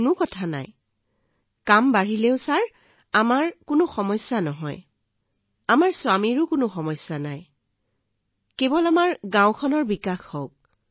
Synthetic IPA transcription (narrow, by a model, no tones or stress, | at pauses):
nʊkɔtʰana̰j | kambaɹileʊsaɹ | amaɹkʊnʊxɔmɔjsjanɔɦɔ̰j | amaɹswamiɹʊkʊnʊxɔmɔjsjanaj | kebɔlamaɹɡãw̃kʰɔnɔɹbikaxhɔk̚